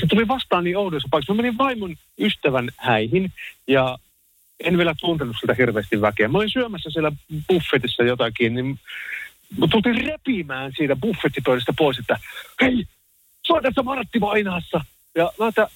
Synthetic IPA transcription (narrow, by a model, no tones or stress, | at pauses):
set̪uliʋɑst̪ɑːniːoutojosːɑpɑˑiksmæmeniʋʋɑimon | yst̪æʋænhæihinjɑ | enʋielæt̪unt̪elnːusilt̪æhirʋeːst̪iʋʋækeæmːæolinsyømæsːæsielːæb̥ufːet̪isːæjot̪ɑkiːnnim | t̪ult̪iːrrepimæːnsiːt̪æbufːet̪ːipøˑylæst̪æpoˑiset̪ːæhei | suɑt̪æsːæmɑrt̪ːimɑinɑːsːɑ | jɑmæt̪ːæ